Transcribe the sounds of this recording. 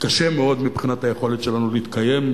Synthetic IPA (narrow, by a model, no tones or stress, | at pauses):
kaʃemeo̞d̪mipχinathajeχo̞let̪ʃe̞lanuleit̪kaje̞m